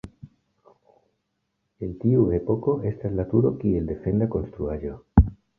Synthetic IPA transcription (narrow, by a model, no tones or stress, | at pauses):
e̞nt̪iuepo̞ko̞e̞stazlat̪uɾo̞kie̞ld̪e̞fe̞nd̪ako̞nst̪ɾuaʒo̞